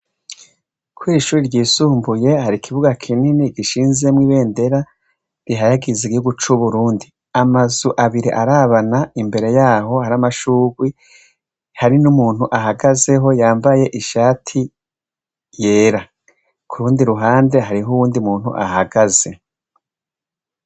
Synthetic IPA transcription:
kʰwiːʃuːɾiɾɟiːsuːmbuje̞haɾikʰiβuɡakʰininiɡiʃiːnze̞mwiːβe̞ːnde̞ɾa | ɾiɦajaɡizeiɡihuɡut͡ʃuβuɾuːndi | amazuʔaβiɾḭʔaɾaːβanaimbe̞ɾe̞jaːɦo̞haɾamaʃuːɡwi | haɾinumuːn̥huʔaɦaɡaze̞ɦo̞jaːmbaje̞ʔiʃaːtʰi | je̞ːɾa | kʰuɾuːndiɾuɦaːnde̞ɦaɾiɦuwuːndiumuːn̥hṵʔa̰haɡaz̥e̞

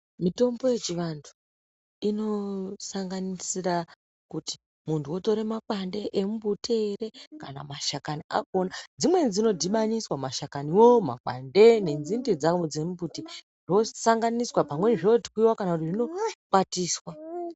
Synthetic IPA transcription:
mito̞mbo̞je̞t͡ʃiʋandʰu̥ | ino̞saŋɡanisira | kuti̥ | muntʰuoto̞ɾe̞makwande̞ʔemubʱutʰeːreka̰na̰maʃakaniʔa̰koːnad͡zimwe̞d͡zino̞dʱiɓaɲiswamaʃakaniwoma̰kwa̰nde̞ne̞nzindid͡zad͡zemubute | ʐo̞saŋɡaniswapamwe̞nʐioti̥kwiwakanakutiʐino̞kwatiːswa

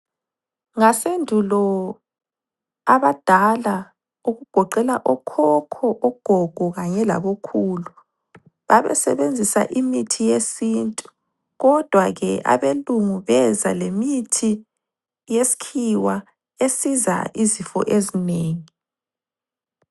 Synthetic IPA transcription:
ŋasendʱulɔ | aβad̥ʱala | uɣuɡ̥ʱɔǃɛlaʔɔkʰɔkʰɔʔɔɡ̥ʱɔɡ̥ʱɔɣaɲɛla̰βokʰuːlu | βaβɛ̰sɛ̰βend͡zʱisa̰ʔimitʰijesintʼu | ɣɔd̥ʱwaɣɛʔa̰βeluŋuβɛza̰lemitʰi | jesi̥kʰiwa | esiza̰ʔizifɔ̰ʔezineːŋi

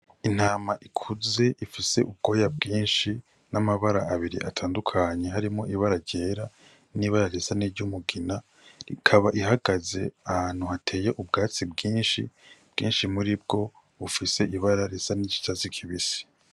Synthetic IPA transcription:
in̥haːmaʔikʰuze̞ʔifise̞̰ʔub̚ɡo̞ːjab̚ɡiːnʃi | namaβaɾaːβiɾḭʔatʰaːndukʰaɲe̞ɦaɾimŋo̞ʔiβaɾaɾɟe̞ːɾa | niβaɾaɾesaniɾɟumuɡina | ḭkʰaβaʔiɦaɡaze̞̰ahaːn̥uhatʰe̞ːje̞ʔub̚ɡaːt͡sibɡiːnʃḭb̥ɡ̥ḭːnʃimuɾib̚ɡo̞ | ufise̞ʔiβaɾaɾesaniɟi̥tazikʰiβisi̥

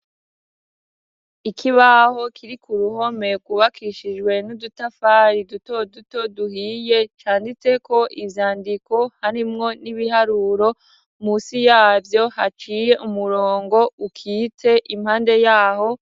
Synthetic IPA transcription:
ikʰiβaho̞kʰiɾikʰuɾuho̞me̞ɡwuβakʰiʃid͡ʒɡwe̞nudutafaːɾiduto̞duto̞duhiːje̞t͡ʃaːndit͡se̞ko̞ʔivjaːndiko̞haɾimŋo̞niβiɦaɾuːɾo̞ | musijaːvjo̞hat͡ʃiːjeʔumuɾoːŋɡo̞ukʰiːte̞ʔim̥haːnde̞jaːho̞

